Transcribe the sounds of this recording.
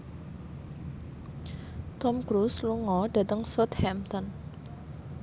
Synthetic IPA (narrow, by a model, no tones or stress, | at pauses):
t̪ɔmkɾusluŋɔdat̪əŋsɔt̪hɛmt̪ɔn